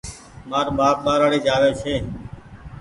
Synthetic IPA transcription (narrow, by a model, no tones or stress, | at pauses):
maːɾɓaːp̚ɓaːɾaːɽiːd͡ʒaːʋeːt͡ʃʰeː